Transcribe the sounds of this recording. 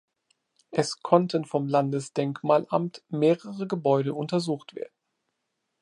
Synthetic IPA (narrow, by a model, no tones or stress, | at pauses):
ʔɛskʰɔntʰənfɔmlandəsd̥ɛŋkmaːlʔamtmeːʁəʁəɡəbɔʏɾəʔʊntɐzuːxtv̥ḛːɐdn̩